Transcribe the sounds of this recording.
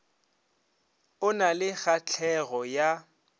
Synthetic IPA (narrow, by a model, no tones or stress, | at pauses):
ʊnalɪɣat͡ɬʰɛɣɔja